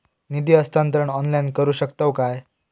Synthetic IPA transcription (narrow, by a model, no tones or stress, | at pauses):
nid̪iːəst̪ant̪ɾəɳɔnlainkəɾuːɕəkt̪awkaj